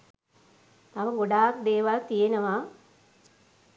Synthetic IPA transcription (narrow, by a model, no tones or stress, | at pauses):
t̪aʋɐɡoɖaːk̚d̪eːʋalt̪ijenəʋa